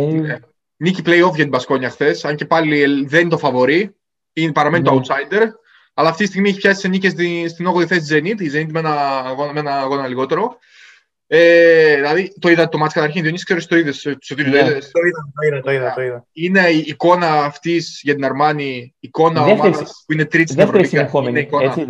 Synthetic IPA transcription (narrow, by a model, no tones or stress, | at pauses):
ne | niciplejo̞fʝɐt̪ibɐsko̞ɲɐxθe̞sɐɲce̞pɐliðennit̪o̞fɐvo̞ɾi | inpɐɾɐme̞nit̪oɐut̪sɐjnd̪e̞ɾ | ɐlɐːft̪it̪ist̪iɣmieçipçɐsi̥senicesist̪ino̞ɣoðiθesid͡zenit̪id͡zenit̪menɐːɣo̞nɐmenɐɣo̞nɐliɣo̞t̪e̞ɾo̞ | eðilɐðit̪oiðɐt̪omɐt̪si̥kɐt̪ɐɾçinðioniskse̞ɾist̪o̞iðessot̪iiɐt̪iðɐiɐt̪oiðɐoiðɐine̞iːko̞nɐːft̪isʝɐt̪inɐɾmɐniːko̞nɐmɐɐspuinet̪ɾit̪ssvɾopikɐoneiko